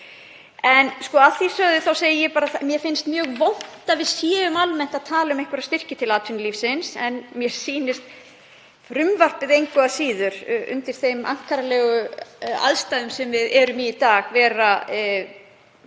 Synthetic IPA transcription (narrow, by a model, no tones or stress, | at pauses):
ɛnskɔaθisœðʏθawseːjɪjɛpaːɾaθamjɛfɪnst̪mjœːɣvown̥t̪avɪðsjɛːʏmalmɛn̥t̪aðt̪ʰaːlʏmejhkʏɾaðst̪ɪr̥cɪt̪ʰɪlaːt̪ʰʏnliːfsɪnsɛnmjɛɾ̥siːnɪst̪ | fɾʏmvar̥pɪðejŋkʏasiːðʏɾʏ̰nt̪ɪɾ̥θejma̰ŋ̥kaɾalɛːɣʏa̰ðst̪ajðʏmsɛmvɪðɛɾʏmɪit̪aːɣvɛːɾa